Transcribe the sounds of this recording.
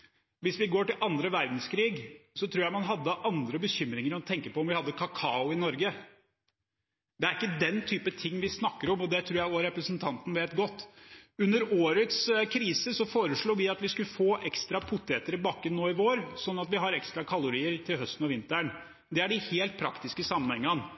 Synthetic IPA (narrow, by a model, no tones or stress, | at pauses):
ʋɪsʋɪɡoːʈɪlʔɑnd̪ɾəʋæɾd̪n̩skʰɾiːɡsɔt̪ʰɾuːjæɪmɑnɦɑd̪ːəʔɑnd̪ɾəbəçʏmːɾɪŋəɾɔt̪ʰɛŋkəpɔɔmʋɪhɑd̪ːəkʰɑkʰɑːʊɪnɔɾɡə | d̪ɛæɾɪkːəd̪ɛnt̪ʰyːpət̪ʰɪŋːʋɪsnɑkːəɾɔmɔd̪ɛt̪ʰɾʉːjæɪɔɾɛpɾəsənt̪ʰɑnt̪n̩ʋeːt̪ɡɔt̪ːʉnːəɾoːɾət̪skʰɾiːsəsɔfoːɾəʂɭuːʋɪɑt̪ʋɪskʉləfoːʔɛkst̪ɾɑpʰʊt̪ʰːeːt̪əɾbɑːkːənːoːɪʋoːɾsɔnːɑt̪ʋɪɦɑɾɛkst̪ɾɑkʰɑlʊɾiːəɾt̪ʰɪlɦœst̪n̩ɔʋɪnt̪əɳ | d̪ɛæɖɪheːlt̪̚pʰɾɑkt̪ɪskəsɑmːənhɛŋːən